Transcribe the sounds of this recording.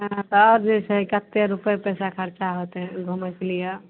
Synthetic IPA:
ɦãt̪ɔːɾd͡ʒesəikət̪ːeɾupepɛsakʰəɾt͡ʃaɦot̪ɛ̃ɡʱumɛkelija

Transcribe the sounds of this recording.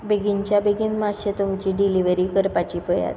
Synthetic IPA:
bʱeɡiɲt͡ɕjabʱeɡinmaɕət̪umt͡ɕiɖiliʋəɾiːkəɾpat͡ɕipəja̰t̪

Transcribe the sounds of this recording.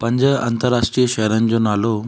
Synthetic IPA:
pɐ̃ɲd͡ʑəa̰nt̪əɾːaʂʈɾijəʃɛɦɾanɪd͡ʑonaːlo

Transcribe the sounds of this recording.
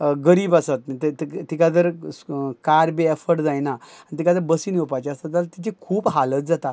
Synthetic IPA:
ɡəɾiːbasət̪̚t̪t̪ikad̪əɾkaɾbeɛfəɾʈd͡zajnaanit̪ikad͡z̪əɾbəsinjopajt͡ɕast̪at̪alt̪it͡ɕekʰuːbɦalət̪̚d͡zat̪at̪

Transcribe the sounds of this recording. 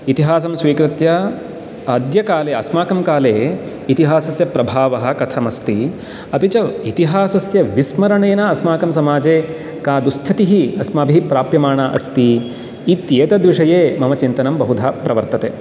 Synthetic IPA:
it̪iɦaːs̬ɐmsʋiːkɾɪt̪jɐ | ɐd̪jɐkaːleːɐsmaːkɐmkaːleː | it̪iɦaːsɐsjɐpɾɐbʱaːʋɐɦɐ̆kɐt̪ʰɐmɐst̪i | ɐpit͡ʃɐit̪iɦaːsɐsjɐʋismɐɾɐɳeːnɐɐsmaːkɐmsɐmaːd͡ʒeː | kaːd̪ust̪ʰɐt̪iɦiɐsmɐːbʱipɾaːpjɐmaːɳaʔɐ̰st̪iː | t̪jeːt̪ɐd̪ʋiʂɐjeːmɐmɐt͡ʃint̪ɐnɐmbɐɦud̪ʱaːpɾɐʋɐɾt̪ɐt̪eː

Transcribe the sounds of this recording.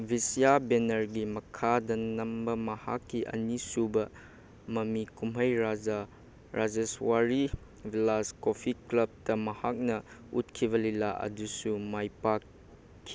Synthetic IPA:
bʱisijabenɐɾɡimɐkʰadɐnɐmbɐmɐha̰kːiʔɐ̰nisubɐ | mɐmikumɦɐjɾa | ɾad͡ʒeswaɾi | bʱilaskopʰiklɐb̚tɐmɐhak̚nɐut̚kʰibɐlilaʔɐ̰dusumajpakʰː | i̥

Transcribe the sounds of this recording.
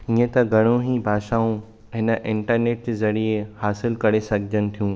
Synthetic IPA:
iẽt̪ɐɡʱɐɽ̃õɦibʱaːʃaːũ | ɦɪnəʔɪ̃ɳʈəɾneːʈ̚d͡ʑzɐɾiehaːsɪlkɐɾesɐɡʱɪd͡ʑənɪ̆t̪ʰijũː

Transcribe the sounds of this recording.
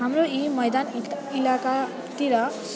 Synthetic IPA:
ɦamroimʌjd̪an | ilaka | t̪iɾʌ

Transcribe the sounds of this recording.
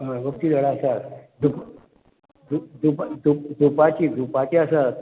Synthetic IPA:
əɡək̚t̪iːd̪ʱəɽaəsad̪ʱup | d̪ud̪ʱupad̪upd̪ʱupat͡ɕiːd̪ʱupat͡ɕiasa

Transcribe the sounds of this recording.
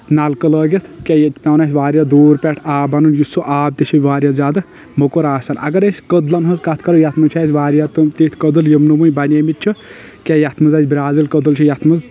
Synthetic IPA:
nalkəlɐːɡet̪ʰkʲajɐt͡ʃpʲɐwnasʲʋaːɾjad̪oːɾpʲɛʈʰaːbɐnunjusuʔaːb̚t̪it͡ʃʰiʋaːɾʲjazʲaːd̪ɐ | mɐkoɾaːsaːnɐ̰ɡɐɾesʲkəd̪lɐnɦɐzkat̪ʰkɐɾujat̪ʰmɨt͡ʃʰasʋaːɾʲjat̪ɨmt̪it̪ʰkəd̪ɨljimnumujbanʲemit̪̚t͡ʃʰu | kʲajat̪ʰmɨzazʲbʲiɾaːzilkɐd̪ɨlt͡ʃʰijat̪ʰmɨz

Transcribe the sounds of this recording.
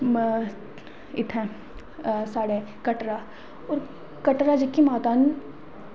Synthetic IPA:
ɪt̪ʰɛ̃ | saːɽekɐʈɾa | ɔːɾ | kɐʈɾad͡ʒikːimaːt̪an

